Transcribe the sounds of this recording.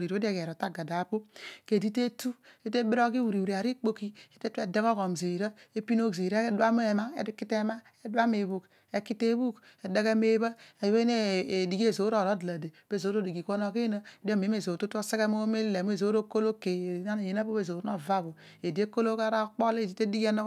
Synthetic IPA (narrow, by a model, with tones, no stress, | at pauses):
ɾi˨ɾo˨˦de˦˨ke˨ɾo˨ta˦ɡa˨da˨po˦ke˨di˦te˦tu˦e˦te˦bi˦ɾo˦ki˦wu˨ɾi˨u˨ɾi˨a˨ɾi˦k͡po˦ki˦e˦te˦tu˦e˨da˦kɔ˦ko˨m˨ze˨ɾa˦e˦pi˦no˦kze˨ɾdwa˦m˦e˨ma˦e˨˦ki˦te˦ma˦ | e˦dwa˦me˨βu˨k | e˦ki˦te˦bu˦k | e˨de˦ke˦me˦βa˦e˨we˦ne˦˨di˨ɡe˦˨zo˨˦ɾo˦˨ɾo˦dla˨de˨b̥e˦˨zo˨˦ɾo˦˨di˨ɡi˨ko˦no˦ki˦na˦e˨di˦o˦m˨e˨˦m˦e˨zo˨tu˦to˦se˦ke˦mo˦me˦lle˨m˦e˨zo˨˦ɾo˦ko˦lo˦ke˨˦na˦ne˨je˨na˦po˦e˦˨zo˨˦no˦˨va˦βo˨ | e˨di˨e˦ko˦lo˦ka˦ɾa˦k͡po˦le˦˨di˨te˦di˦ɡe˦no˦